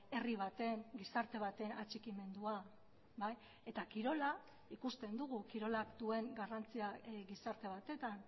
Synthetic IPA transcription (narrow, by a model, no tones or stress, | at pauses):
e̞riβ̞at̪e̞ŋɡisaɾt̪e̞β̞at̪e̞nat͡ʃikime̞nd̪ua | baj | e̞t̪akiɾo̞la | ikust̪e̞nd̪uɣ̞ukiɾo̞lakd̪ue̞ŋɡarant͡siaɡisaɾt̪e̞β̞at̪e̞t̪an